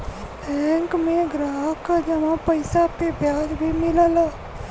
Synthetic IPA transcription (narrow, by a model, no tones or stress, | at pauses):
ɛŋkmẽɡɾaːɦkad͡ʒəmãpəɪsakebʱjaːd͡ʒbʱimɪləl